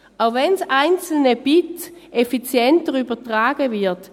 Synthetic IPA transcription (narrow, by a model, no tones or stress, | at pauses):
ʔavɛnsaɪnt͡sl̩nəb̥ɪtʔefit͡sjɛntəʁyːbɐtʁaːɡəvɪɐt